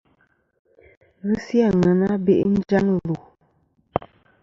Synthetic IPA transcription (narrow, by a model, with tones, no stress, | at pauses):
ɣɨ˦si˦a˦˨ŋa˨na˦be˦˨ʔn̩˦d͡ʒa˦n˨lu˨